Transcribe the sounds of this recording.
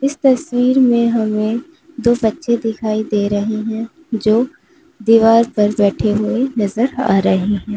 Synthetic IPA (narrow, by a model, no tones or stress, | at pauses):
ɪst̪ɐswiːɾmẽɦɐmẽ | d̪oːbɐtːʃʰed̪ɪkʰaːid̪eːɾɐɦeɦɛ̃ | d͡ʒoː | d̪iːʋaːɾpɐɾbɛːʈʰeɦʊenɐzəɾa̰ːɾɐɦeɦɛ̃ː